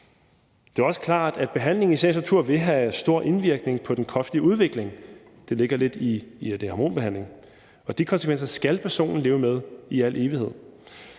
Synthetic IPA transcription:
d̥e̝æɐɒ̽sə̥kʰlɑ̰̈ːd̥æd̥̚b̥e̝ɦæn̰le̝ŋisɛnst͡sʰuɐ̰ʋe̝ɦæsd̥o̝ɐ̰ʔe̝nʋiɐɡ̥ne̝ŋpʰɒ̽d̥enkʰɒ̽sd̥iəuð̞ˠʋe̝ɡ̥le̝ŋ | d̥e̝le̝ɡ̥ɐle̝d̥id̥ehɑ̈mo̝̰ːnb̥e̝hæn̰le̝ŋ | ɒ̽d̥ikʰɒ̽nsəkʰʋen̰sɐsɡ̥ælpʰæɐso̝̰ːnn̩le̝ːʊəmeð̞ˠiæl̰ʔe̝ːʋihe̝ð̰ˠ

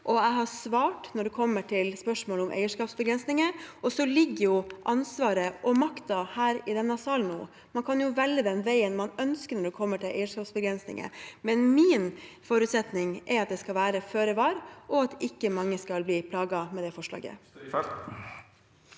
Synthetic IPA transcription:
ʔɔæɪɦɑsʋɑːʈnɔɖʉkʰɔmːəʈʰɪlspœʂmoːlɔmʔæ̰ɪəʂkɑːpsbəɡɾɛnsnɪŋəɔsɔlɪɡːəjʊʔɑnsʋɑːɾəʔɔmɑkt̪ɑhæːɾɪd̪ɛnːɑsɑːlnnṵː | mɑnkʰɑnjʊʋɛlːəd̪ɛnʋæɪənmɑnœnskənɔɖʉkʰɔmːəʈʰɪlʔæɪəʂkɑːpsbəɡɾɛnsnɪ̰ŋə̰mɛnmiːnfoːɾʉːt̪sɛt̪nɪŋʔɛɾɑt̪̚d̪ɛskɑlʋæːɾəføːɾəʋɑːɾʔɔɑt̪ɪkːəmɑŋːəskɑlbliːpʰlɑːɡɑmɛd̪ɛfɔʂlɑ̰ːɡə̰

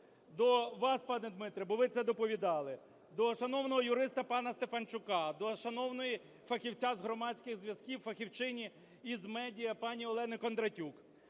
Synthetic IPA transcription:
d̪ɔʋɑspɑnɛd̪mɪt̪ɾʲɐbɔʋɪt̪sɛd̪ɔpɔʋʲid̪ɑlˠɪ | d̪ɔʃɐnɔwnɔɦɔjʊɾɪst̪ɐpɑnɐst̪efɐnt͡ʃʊkɑd̪ɔʃɐnɔwnɔji | fɐxʲiwt͡sʲazɦɾɔmɑt͡sʲkɪɣzʋjɐzkʲiwfɐxʲiwt͡ʃɪnʲi | izmɛdʲijɐpɑnʲiɔlˠɛnɪkɔnd̪ɾɐtʲuk

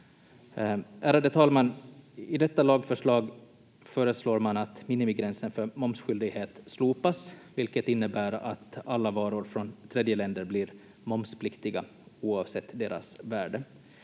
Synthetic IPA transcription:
æːɾad̪ət̪ʰɑːlmanɪd̪ɛt̪ːalɑːɡfœʂɭɑːɡ | fœːɾəsloːɾmanat̪mɪːnɪmɪɡɾɛnsənfœɾmɔmsɧʏld̪ɪɡheːt̪sluːpasvɪlkət̪ɪnːəbæːɾa̰t̪alːavɑːɾʊɾfɾɔnt̪ʰɾeːd̪jəlɛnd̪əɾblɪɾ | mɔmspʰlɪkt̪ɪɡa̰ | uːɑːvsɛt̪ːd̪eːɾa̰svæːɖə

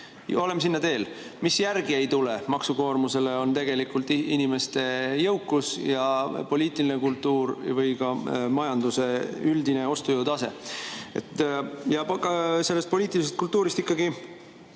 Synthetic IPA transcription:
o̞le̞msinːɑt̪e̞ːlmisjærɡ̥iejt̪ule̞mɑksuko̞ːrmuse̞le̞o̞nt̪e̞ɡ̥e̞likːˑult̪ːˑinime̞st̪e̞jɤwkˑːusjɑpo̞liːt̪ˑilinekult̪ːuːɾvɤjkɑmɑjɑnd̪̥use̞yld̪ine̞o̞st̪ujɤwd̪̥ɑse̞̰ḛt̪jɑkse̞lːe̞st̪̚po̞liːt̪ːˑilise̞st̪̚kult̪ːuːɾist̪ikːɑɡi

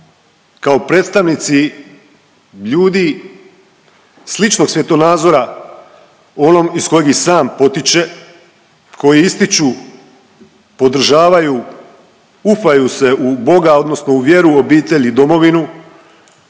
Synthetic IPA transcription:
kaopɾe̞ːt̪st̪aʋnit̪si | ʎuːd̪i | slit͡ʃno̞ɡsʋje̞t̪o̞naːd̪zo̞ɾa | o̞no̞misko̞jeɡisaːmpo̞t̪it͡ʃe̞ | kʰo̞jiist̪it͡ʃu | po̞d̪ɾ̩ʒaːʋaju | ufajuse̞ubo̞ɡao̞d̪no̞sno̞uʋje̞ɾuo̞biːt̪e̞ʎid̪o̞mo̞ʋinu

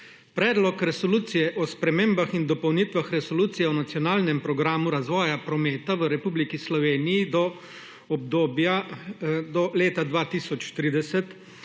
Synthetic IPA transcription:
pɾɛːd̪lɔkɾɛsɔluːt̪sijɛʔɔspɾɛmeːmbaxind̪ɔpɔwnit̪ʋaxɾɛsɔluːt̪sijɛɔnat̪sjɔnaːlnɛmpɾɔɡɾaːmuɾazʋɔːjapɾɔmeːt̪aʋəɾɛpuːblikislɔʋeːnijid̪ɔ | ɔb̚d̪oːbja | d̪ɔleːt̪ad̪ʋaːt̪isɔt͡ʃt̪ɾiːd̪ɛsɛt̪

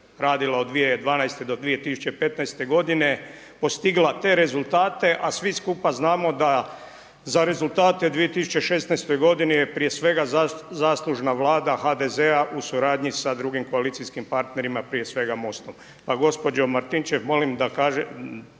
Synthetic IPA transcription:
ɾaːd̪ilaod̪ʋijed̪ʋaːnajst̪ed̪o̞d̪ʋie̞t̪isu̥t͡ɕepe̞t̪najst̪e̞ɡo̞d̪ine̞ | po̞st̪iɡlat̪e̞ɾe̞zulˠt̪aːt̪e̞ʔasʋiskupaznaːmo̞d̪a | zaɾe̞zulˠt̪aːt̪ed̪ʋijet̪isu̥t͡ʃeʃe̞st̪najst̪o̞jɡo̞d̪inijepɾije̞sʋe̞ɡazaːslˠuʒnaʋlˠaːd̪axad̪eze̞aʔusuɾaːd̪ɲisad̪ɾuɡimko̞alit̪sijskimpaɾt̪ne̞ɾimapɾije̞sʋe̞ɡamo̞st̪o̞m | paɡo̞spo̞d͡ʒo̞maɾt̪int͡ʃeʋmo̞limd̪akaːʒe

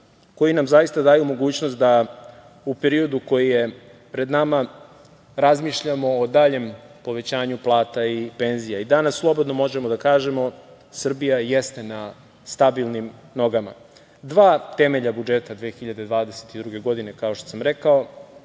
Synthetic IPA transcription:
ko̞jinamzajist̪ad̪aːjumo̞ɡuːt͡ɕnost̪̚d̪a | upeɾio̞d̪uko̞jije | pɾe̞d̪nama | ɾazmiːʃʎamo̞ːd̪aʎe̞mpo̞ʋe̞t͡ɕaːɲuplˠaːt̪aipe̞nzijaid̪anasːlˠo̞bo̞d̪no̞mo̞ʒemod̪akaːʒe̞mo̞ | sr̩bijajest̪e̞na | st̪abilˠnim | no̞ɡama̰ | d̪ʋaːt̪e̞meʎabud͡ʒe̞t̪ad̪ʋeːxiʎad̪e̞d̪ʋaːd̪eset̪id̪ɾuɡe̞ɡo̞d̪ine̞kao̞ʃt̪osamɾe̞kao̞

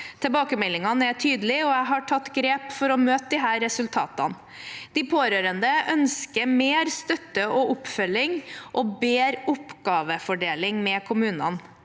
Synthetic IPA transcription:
t̪ʰɛbɑːkəmɛlːɪŋɑnæʈʰyːd̪əlɪɔæɪɦɑʈʰɑt̪ːɡɾeːpfɔɾɔmøːt̪̚d̪ɪɦæːɾːɛsʉlt̪ʰɑ̰ːt̪ɑ̰n | d̪̥ɪpʰoːɾøːɾənd̪əʔœnskəɾmeːɾst̪œt̪ːəɔʔʊpfœlːɪŋʔɔbeːɾʊpɡ̥ɑːʋəfɔɖeːlɪŋmɛkʰʊmʉːnɑ̰n

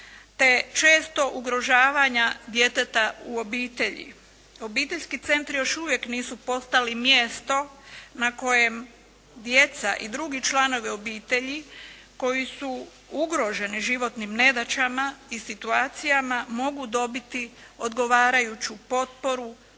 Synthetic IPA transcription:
t̪e̞t͡ʃe̞ːst̪o̞ʔuɡɾo̞ʒaːʋaɲad̪je̞t̪et̪auo̞biːt̪e̞ʎḭ | o̞biːt̪e̞ʎʲskit̪se̞nt̪ɾijo̞ʃuʋje̞kniːsupo̞st̪alimjeːst̪o̞nako̞je̞m | d̪je̞t̪saʔid̪ɾuɡit͡ʃlano̞ʋio̞biːt̪e̞ʎi | ko̞jisu | uɡɾo̞ʒe̞niʒiʋo̞t̪nimne̞d̪at͡ɕamaisit̪uaːt̪sijamamo̞ɡud̪o̞bit̪io̞d̪ɡo̞ʋaːɾajut͡ɕupo̞t̪̚po̞ɾu

